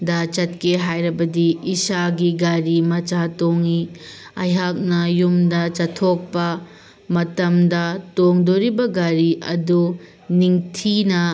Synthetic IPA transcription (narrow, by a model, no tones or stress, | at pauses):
dat͡ʃɐt̚keɦajɾɐbɐdiːsaɡiɡaɾimɐt͡ʃatoŋi | ɐjɦak̚nɐjumdɐt͡ʃɐtʰok̚pɐ | mɐtɐmdɐtoŋdoɾibɐɡaɾiʔɐ̰du | niŋtʰinɐ